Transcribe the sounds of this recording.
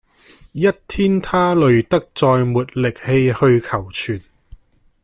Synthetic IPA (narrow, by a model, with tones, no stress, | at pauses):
jɐ˥t̚t̪ʰiː˥nt̪ʰaː˥lɵ˨˧ɥt̪ɐ˥k̚t͡sɔː˧jmuː˨t̚lɪ˨k̚he˧jhɵ˧ɥkʰɐ˨˩wt͡ʃʰyː˨˩n